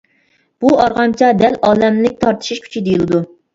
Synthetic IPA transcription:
b̥uɑɾʁɑmt͡ʃʰɑd̪ɛlɑːlɛmlɪk̚ʲt̪ʰɑɾt̪ʰɨ̥ʃiʃkʲʰy̥t͡ʃʰid̪ejilˠɨd̪u

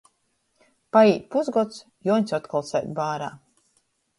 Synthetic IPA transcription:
paiːt̪̚ʲpuzɡɔt̪s | juɔɲʲsɔt̪kɔlˠsɛ̰jt̪ʲbaːɾa̰ː

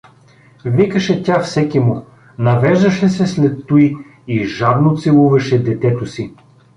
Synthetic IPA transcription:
vikəʃɛt̪ʲafsɛkimu | nɐvɛʒd̪ɐʃɛsɛslɛt̪ːuj | iʒab̪not̪sɛlˠuvɐʃɛd̪ɛt̪ɛt̪osi

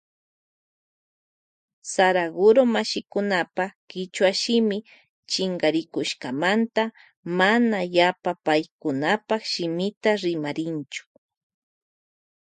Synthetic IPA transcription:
saɾaɡʊɾomaʃɪkʊnapakɪt͡ʃwaʃɪmɪ | t͡ʃɪŋɡaɾɪkʊʃkamant̪a | manajapapajkʊnapakʃɪmɪt̪aɾɪmaɾɪnt͡ʃʊ̥

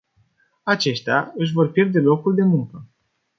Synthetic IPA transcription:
at͡ʃe̞ʃt̪aɨʃ̬vo̞rpje̞rd̪e̞lo̞kuld̪e̞muŋkə

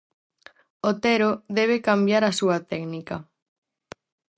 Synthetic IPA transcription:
ot̪ɛɾoðɛβ̞ekambjaɾasuɐt̪ɛknikɐ

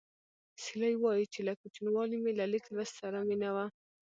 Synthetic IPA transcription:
silajwɑjit͡ʃelakut͡ʃinwɑlimelalɪkɾassaɾamɪnawa

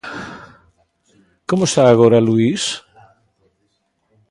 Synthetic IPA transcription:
komoest̪aːɣ̞oɾaluis

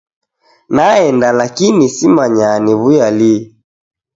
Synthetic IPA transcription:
naɛndalakinisimaɲaniβujali

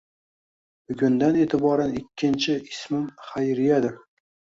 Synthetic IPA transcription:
bʊɡʲʊnd̪ane̞ːt̪ʰɪbɒɾanɪkʲːɪnt͡ʃʰɪɪsmɪmχajɾɪjad̪ɪɾ

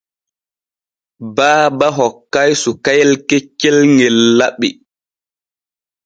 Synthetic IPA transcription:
baːbaɦɔkːajsukajɛlkɛt͡ʃːɛlŋɛlːaɓːi

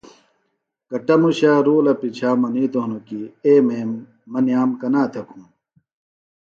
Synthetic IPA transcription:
kɐʈɐmuɕaːɾoːlɐpit͡ɕʰaːmɐniːt̪oɦnokieːmeːmː | ɐnijaːmkɐnaːt̪ʰɐkʰũː

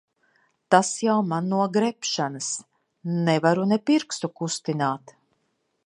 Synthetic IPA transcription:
t̪asjawmanːuɔɡɾɛpʃanəs | nɛvaɾunɛpiɾkst̪ukust̪inaːt̪

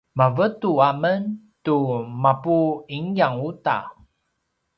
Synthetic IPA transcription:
mavətuamən | tumapuiŋjaŋuta̰

